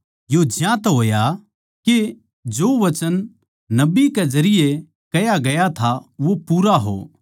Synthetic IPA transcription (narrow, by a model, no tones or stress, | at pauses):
jod͡ʒjãːt̪ɦoːja | ke | d͡ʒoːʋɐt͡ʃən | nɐbiked͡ʒɐɾɪje | kɐjaɡɐjat̪ʰaʋopuːɾaɦo̰ː